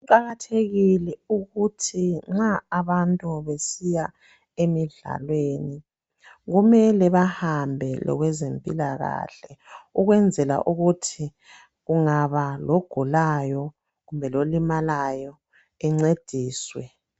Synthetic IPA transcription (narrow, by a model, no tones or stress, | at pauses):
ǃaɣatʰeɣilɛuɣutʰiŋ͡ǁaːβantʼuβesija | emiɮa̰lweːni | ɣumɛlɛβahambʱɛlɔ̰ɣwɛzempʼilaɣa̰ːɬɛuɣwɛnd͡zʱɛla̰ʔuɣutʰi | ɣuŋaβaloɡ̥ʱulajɔ | ɣumbʱɛlolimalajɔ | ɛŋ͡ǀed̥ʱiːswɛ